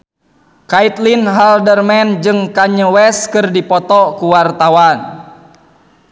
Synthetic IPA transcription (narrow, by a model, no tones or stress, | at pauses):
kait̪linɦaldərmɛnd͡ʒɨŋkaɲəwɛskɨrdipɔt̪ɔkuwart̪awan